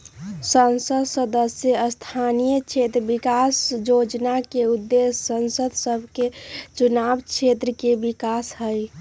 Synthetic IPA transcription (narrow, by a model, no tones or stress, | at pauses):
sənsəd̪ʱsəd̪əsjəəst̪ʰanijəkt͡ʃʰet̪ɾəbikasjod͡ʒnakeud̪ːesːənsəd̪ʱsəbʱket͡ʃunabt͡ʃʰet̪ɾəkebikasɦəj